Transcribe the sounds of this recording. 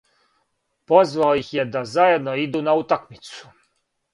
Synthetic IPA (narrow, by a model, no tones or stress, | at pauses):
pɔzvawixjɛd̪azajɛd̪nɔid̪unaut̪akmʲit̪su̥